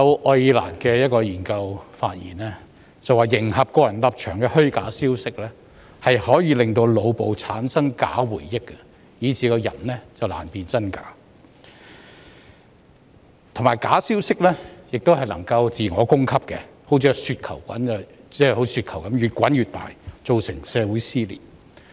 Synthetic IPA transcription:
jɐ˨˧wʔɔː˧jiː˧la̰ː˨˩nkɛː˧jɐ˥t̚kɔː˧jiː˨˩nkɐ˧wfaː˧t̚jḭː˨˩nɛ˥ | t͡sɐ˨waː˨˩jɪ˨˩ŋhɐ˨p̚kɔː˧jɐ˨˩nlɐ˧p̚t͡ʃʰœː˨˩ŋkɛ˧hɵ˥kaː˨˥siː˥wsɪ˥k̚lɛː˥ | hɐ˨jhɔː˨˥jiː˨˧lɪ˨ŋt̪o˧wlo˨˧wpo˨wt͡sʰaː˨˥nsɐ˥ŋka̰ː˨˥wuː˨˩jːɪ˥kːɛ˧ | jiː˨˧t͡sʰiː˨˧kɔː˧jɐ˨˩nlɛː˥t͡sɐ˨wla̰ː˨˩npiː˨nt͡sɐ˥nka̰ː˨˥ | t̪ʰʊ˨˩maː˨˩jkaː˨˥siː˥wsɪ˥k̚lɛː˥jɪ˨k̚t̪o˥whɐ˨jlɐ˨˩ŋkɐ˧wt͡siː˨ŋɔː˨˧kʊ˥ŋkʰɐ˥p̚kɛ˧ho˨˥wt͡sʰiː˨˧syː˧t̚kʰɐ˨˩wkʷɐ̰˨˥nː˧t͡sɛː˥˨ho˨˥˧syː˧t̚kʰɐ˨˩wkɐ˨˥mɥyː˨˩t̚kʷɐ˨˥nɥyː˨t̪a̰ː˨jt͡so˨wsɪ˨˩ŋsɛː˨˧wuː˨˥jsiː˥lḭː˨˩

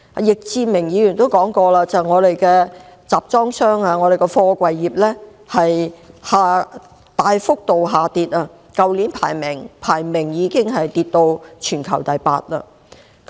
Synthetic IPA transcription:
jɪ˨k̚t͡siː˧mɪ˨˩ŋjiː˨˥jy˨˩nt̪o˥wkɔː˨˥ŋkɔː˧laː˧t͡sɐ˨jŋɔː˨˧ɾe˨jkɛː˧t͡saː˨p̚t͡sɔː˥ŋsœː˥ŋaː˧ŋɔː˨˧ɾe˨jkɔ˧fɔː˧kʷɐ˨jːiː˨˩p̚lɛː˥ | hɐ˨jhaː˨ | t̪aː˨jfʊ˥k̚t̪o˨wɦaː˨t̪iː˨t̚aː˧ | kɐ˨˧wli˨˥npʰaː˨˩jmɪ˨˩ŋpʰaː˨˩jmɪ˨˩ŋjiː˨˧kɪ˥ŋɦɐ˨jt̪iː˨t̚t̪o˧wt͡ʃʰyː˨˩nkʰɐ˨˩wt̪ɐ˨jpa̰ː˧t̚la̰ː˧ | k

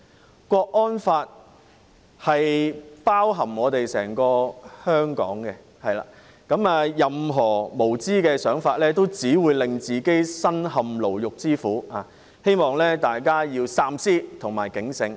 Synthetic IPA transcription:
kʷɔː˧k̚ʔɔː˥nfaː˧t̚ | hɐ˨jpaː˥wɦɐ˨˩mɔː˨˧t̪e˨jsɛː˨˩ŋkɔː˧hœː˥ŋkɔ̰ː˨˥ŋkɛ˧ | hɐ˨jla̰ː˨˩ | kɐ˨˥maː˧jɐ˨mɦɔː˨˩mo˨˩wt͡siː˥kɛː˧sœː˨˥ŋfaː˧t̚lɛː˥t̪̬o˥wt͡siː˨˥wuː˨˧jlɪ˨ŋt͡siː˨˩ke˥jsɐ˥nhɐ˨mlo˨˩wjʊ˨k̚t͡siː˥fuː˨˥aː˨˧ | he˥jmɔː˨ŋlɛː˥t̪aː˨jkaː˥jiː˧wsaː˧msiː˥t̪ʰʊ˨˩ŋmaː˨˩jkɪ˨˥ŋsɪ˧ŋ

